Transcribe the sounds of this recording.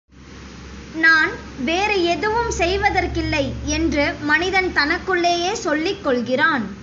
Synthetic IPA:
naːn | ʋeːɾɐɛðɯʋɯmsɛjʋɐðɐrkɪlːɐɪɛndrɯmɐnɪðɐnt̪ɐnɐkːɯɭːeːjeːsɔɭːɪkːɔɭɣɪraːn

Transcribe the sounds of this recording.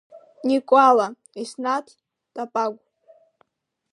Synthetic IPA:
nikʷʼala | isnatʰ | tʼapʼaɡʷ

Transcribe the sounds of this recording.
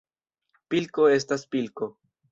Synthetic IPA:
pilko̞e̞s̬taspilko

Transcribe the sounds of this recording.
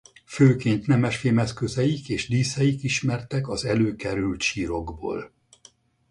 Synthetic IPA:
føːkeːnt̪nɛmɛʃfeːmɛskøzɛjikeːʒd̪iːsɛjikiʃmɛrt̪ɛkɒzɛløːkɛɾylt̪ʃiːɾo̞ɡbo̰ːl

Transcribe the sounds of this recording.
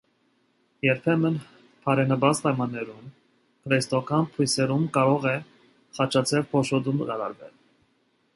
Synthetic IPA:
jɛɾpʰɛmən | pʰɑɾɛnəbɑt͡spɑjmɑnːɛɾum | kʰɾɛst̪ɔkʰɑnpʰujsɛɾumkɑɾɔʁɛ | χɑt͡ʃʰɑt͡sʰɛlpʰɔʃɔd̪umɾɑɾɑ̰ɾvɛ̰l

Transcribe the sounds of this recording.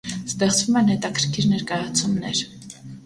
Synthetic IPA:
st̪ɛχt͡svumɛnhɛt̪ɑkʰəɾkʰiɾnɛɾkɑjɑt͡sʰumnɛɾ

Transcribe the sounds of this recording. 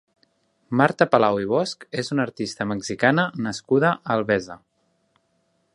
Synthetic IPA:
maɾt̪əpəlawiβ̞ɔskezunəɾt̪ist̪əməkzikanənəskuðəʔəlˠβɛzə

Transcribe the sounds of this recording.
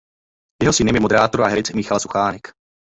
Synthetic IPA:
jɛɦosɪnɪmɪmodɛɾaːt̪oɾua̰ɦɛɾɪt͡smɪxalsuxaːnɛk

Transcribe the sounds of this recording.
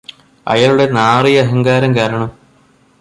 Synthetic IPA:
ɐ̰jɐɭuɽe̞naːrijɐɐɦɐŋɡaːɾɐmkaːɾɐɳɐm

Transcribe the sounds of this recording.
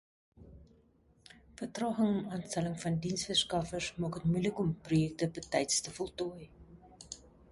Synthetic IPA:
fərtrɑːχəŋɔmɑːnstæləŋfɐndinsfərskɐfərsmɑːkɦətmujləkɔmprojɛk̚təbətɛjtstəfɔlˠtɔj

